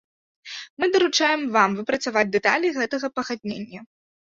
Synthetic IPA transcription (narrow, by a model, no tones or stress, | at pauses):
mɨd̪ɐɾut͡ʂajɛmvamvɨpɾɐt̪savad͡zʲd̪ɛt̪alʲiɣɛt̪ɐɣɐpɐɣad̪̚ʲnʲḛnʲːɐ